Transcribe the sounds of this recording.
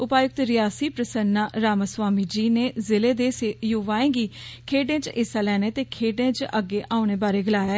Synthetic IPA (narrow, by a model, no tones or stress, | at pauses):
ʊpaːjʊk̚t̪ɾɪjaːsiːpɾəsənːaːɾaːməsʋaːmiːd͡ʒiːneːzɪleːd̪eːsejoːʋaːẽːɡiːkʰeːɖẽːt͡ʃɪsaːlɛːneːt̪eːkʰeːɖẽːt͡ʃəɡːeːʔaːʊɳ̃eːbaːɾeːɡəlaːjaː